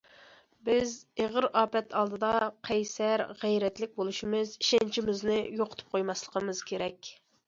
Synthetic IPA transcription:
bɪzeʁəɾɑːpɛt̪ʰɑlˠd̪ɨd̪ɑqʰɛjsɛɾʁɛjɾɛt̪lɪk̚ʲbolˠuʃimɨziʃɛnt͡ʃʰimɪznɪjoqʰʊ̥t̪ʰɨ̥p̚qʰojmɑslˠəqʰəmɨz̥kʲʰeɾɛkʲ

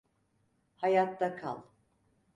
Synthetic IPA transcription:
hajat̪d̪akʰa̰lˠ

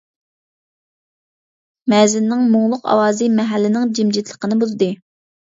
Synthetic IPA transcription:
mɛzɪnːɪŋmoŋlˠʊqɑ̰wɑːzɨmɛɦælːɪnɪŋd͡ʒimd͡ʒit̪ʰlˠə̥qənɨbuzd̪ɨ

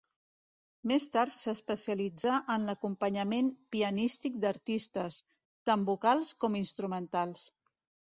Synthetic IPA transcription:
mest̪aɾt̪səspəsiəlid͡zaʔənləkumpəɲəmempiənist̪ik̚d̪əɾt̪ist̪əs | t̪ambukalˠskɔminst̪ɾumənt̪alˠs

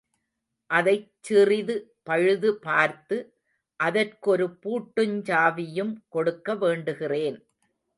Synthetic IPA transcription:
ʔɐðɐɪt͡ʃt͡ʃːɪrɪðɯpɐɻɯðɯpaːɾt̪ɯ | ʔɐðɐrkɯɔɾɯpuːʈːɯɲd͡ʒaːʋɪjɯmkɔɽɯkːɐʋeːɳɖɯɣɪreːn

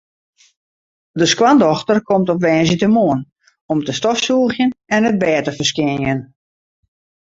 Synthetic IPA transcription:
dəskwandɔxtərkʰɔmtɔpʋɛːnzətəmoːən | ɔmtəstɔfsuəxjənɛnət̚bɛːtəfərskɪnjən

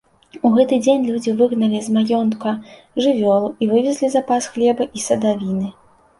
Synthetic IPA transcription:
uɣɛt̪ɨd͡zʲenʲlʲud͡zʲivɨɣnɐlʲizmajɔnt̪kɐ | ʐɨvʲɔlˠuʔivɨvʲɛzʲlʲizapasxlʲɛbɐʔisɐd̪avʲinɨ

